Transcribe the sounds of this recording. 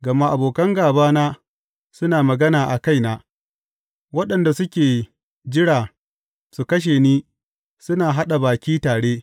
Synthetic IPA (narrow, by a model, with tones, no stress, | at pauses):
ɡɐ˨ma˦ʔa˨boː˨kɐ˦ŋɡaː˨baː˦naː˦ | sʊ˦naː˨mɐ˨ɡɐ˦naː˨ʔa˨ka˦jnaː˦ | wɐ˦ɗɐ˨nda˨sʊ˦kʲeː˨ | d͡ʒɪ˦ɽaː˨ | su˨kɐ˦ʃ̬eː˨niː˦ | sʊ˦naː˨ɦa˦ɗa˨baː˨kʲiː˦taː˨ɽeː˦